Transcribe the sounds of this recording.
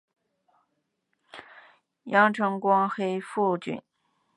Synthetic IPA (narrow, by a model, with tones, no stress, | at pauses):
jɑ˥ŋʈ͡ʂʰɤ˧˥ŋkwɑ˥ŋxe˥ɪfu˥˧t͡ɕy̰˨˩˦n